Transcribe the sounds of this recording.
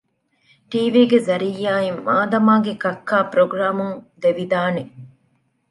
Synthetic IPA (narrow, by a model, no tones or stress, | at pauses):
ʈiːʋiːɡezɐɾijːaːimːaːd̪ɐmaːɡekɐkʰːaːpɾoɡɾaːmuŋd̪eʋid̪aːne